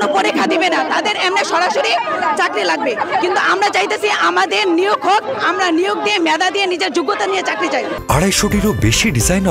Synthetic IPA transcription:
nokoɾekʰad̪ibenat̪ad̪eɾɛmneʃɔɾaʃoɾit͡ɕakɾilaɡ̚bekint̪uʔamɾat͡ɕajt̪esʰiʔamad̪eɾnioɡɦokamɾanioɡ̚d̪iemɛd̪ad̪ienid͡ʑeɾd͡ʑoɡːot̪aniet͡ɕakɾit͡ɕajaɽajʃoʈiɾobeʃiɖizajn

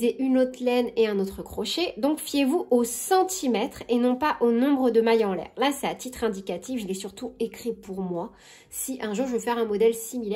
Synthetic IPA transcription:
zeʔynot̪χlɛneɛ̃not̪χəkχɔʃed̪ɔ̃kfjevuʔosɑ̃t̪ʰimɛt̪χenɔ̃paʔonɔ̃bʁəd̪əmajɑ̃lɛ̰ːʁlasɛat̪it̪χɛ̃d̪ikat̪ifʒəlɛsyʁt̪uekχipuʁmwa | siʔɛ̃ʒuːʁʒəəfɛʁɛ̃mɔd̪ɛlsimilɛ

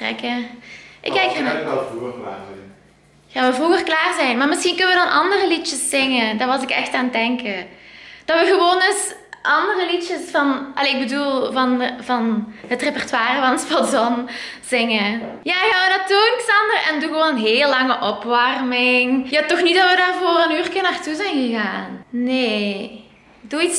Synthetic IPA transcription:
trɛ̰kəʔɪkɛkxanukaɛ | xaːnʋəvruɣərklaːrzɛjnmaːrmɪsxinkənəʋədɑnʔɑ̰ndərəlit͡ʃəsːɪŋədarʋɑzɪkɛ̰xtaːndɛŋkəd̥ɑtʋəɣəʋoːndɵsʔɑndərəlit͡ʃəsfɑnʔɑ̰leːɪɡ̚bədulˠvɑnvɑnɦətrepɛrtwaːrəvɑnəspɑzɔnz̥ɪŋəjaːɣaːʋənatunɪksɑndərɛ̰nduɣəʋoːnənɦeːlˠːɑŋəʔɔpʋɑrmɪŋjaːtɔxnit̚dɑtʋədaːrvoːrənyːrkɪnaːrtuzɛjnɣəɣaːnneː | duits

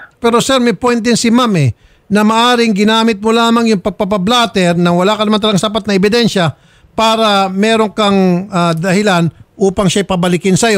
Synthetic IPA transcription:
pɛɾo̞sɛɾmɪpojnt̪̚d̪ɪnsɪmamɛ | nɐmaʔaːɾɪŋɡɪnaːmɪt̪̚mʊlaːmaŋjʊŋpɐɡ̚pap̬ɐblaːt̪ɛɾnɐwɐlakɐnɐmant̪ɐlɐɡaŋsapat̪̚nɐɛbɪd̪ɛnʃa | paːɾɐmɛːɾoŋkaŋad̪ɐhɪlanʔuːpɐŋʃajpɐbɐlɪkɪnsɐjo

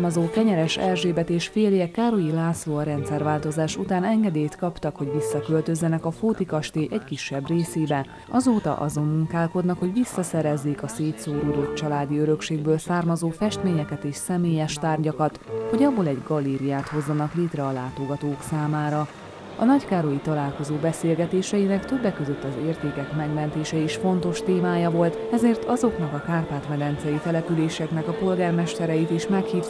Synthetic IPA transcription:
mɒzoːkɛɲɛɾɛʃɛlʒeːbɛt̪eːʃfeːljɛkːaːɾojilaːsoːɒɾɛnt̪sɛrʋaːlt̪o̞zaːʃut̪aːnɛŋɡɛd̪eːjt̪kɒpt̪ɒkho̞ɟʋisːɒkølt̪ø̞zːɛnɛkɒfoːt̪ikɒʃt̪eːʔɛckiʃːɛbreːseːbɛ | ɒzoːt̪ɒ̰ʔɒ̰zo̞mːuŋkaːlko̞d̪nɒkho̞ɟʋisːɒsɛɾɛzːeːkɒseːt̪soːɾuːd̪o̞t̪̚t͡ʃɒlaːd̪iøɾø̞kʃeːɡbøːlsaːrmɒzoːfɛʃt̪meːɲɛkɛt̪eːʃsɛmeːjɛʃt̪aːrɟɒkɒt̪ho̞ɟɒbːo̞lɛɟɡɒleːɾijaːt̪ho̞zːɒnɒkleːt̪rɛɒlaːt̪o̞ɡɒt̪oːksaːmaːɾɒ | ɒ̰nɒckaːɾo̞jit̪ɒlaːlko̞zoːbɛseːlɡɛt̪eːʃɛjinɛkt̪ø̞bːɛkːøzø̞t̪ːɒzeːrt̪eːkɛkmɛɡmɛnt̪eːʃɛiʃfo̞nt̪o̞ʃt̪eːmaːjɒvo̞lt̪ɛzeːrt̪ɒzo̞knɒkɒkaːrp̪aːt̪mɛd̪ɛnt̪sɛjit̪ɛlɛpyleːʃɛknɛkɒpo̞lɡaːrmɛʃt̪ɛɾɛjit̪iʃmɛkhiːv

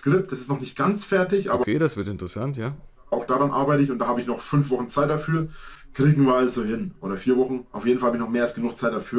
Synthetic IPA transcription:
kʁ̥ɪp̚td̥asɪstnɔχnɪçt̚ɡ̥ant͡sfɛɐtɪçʔaːbɐkʰeːdasv̥ɪɐtɪntʁəsantjaː | aʊxd̥aːdʁanʔa̰ɐbaɪtəɪçʊntd̥aːhaːbəɪçnɔχfʏnfv̥ɔχn̩t͡saɪt̚d̥afyːɐkʁ̥iːɡŋ̩viːɐalzohɪnʔoːɾɐfiːɐvɔχn̩ʔa̰ʊfjeːdn̩falhabɪçnɔχmeːɐalsɡ̥ənuːxt͡saɪt̚d̥afyːɐ

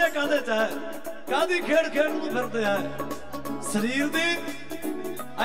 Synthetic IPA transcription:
ẽːkãːd̪eːt̪aː | kãːd̪iːkʰeːɽkʰeːɽnũĩːpʰəɾd̪eːɛː | səɾiːɾd̪iː | ə

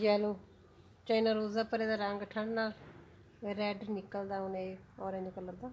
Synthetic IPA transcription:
d͡ʒiɦɛloː | t͡ʃaːinaːɾoːzaːpəɾeːd̪aːɾəŋɡʈʰəɽnaːl | ɾɛːɖnɪkəld̪aːʊnẽːɔːɾẽːɲd͡ʒkəlːəɾd̪aː

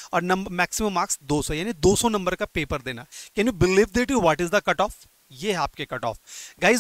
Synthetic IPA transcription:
ɔːɾnɐ̃mbəɾmɛːksɪmə̃mːaːksd̪oːsɔjaːnid̪oːsɔ̃nɐ̃mbəɾkapeːpəɾd̪eːnaːkɛ̃njubɪliʋd̪eʈuʋɔʈɪzd̪əkɐʈɔːf | jeːaːp̚kekɐʈɔ̰ːfɡaːɪz

